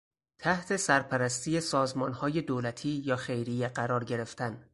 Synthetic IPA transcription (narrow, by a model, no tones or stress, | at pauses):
t̪ʰæht̪ʰe̞sæɾpʰæɾæst̪iːje̞sɒːzmɒːnhɒːje̞d̪oːlæt̪ʰiːjɒːxe̞jɾijeɢæɾɒːɾɟe̞ɾe̞ft̪ʰæn